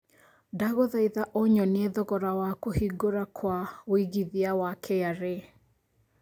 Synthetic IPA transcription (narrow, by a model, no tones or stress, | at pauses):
daɣoðaiðaʔoɲɔneðɔɣɔɾawakohiɡoɾakʰwawiɣiðiawakʰɛjaɾe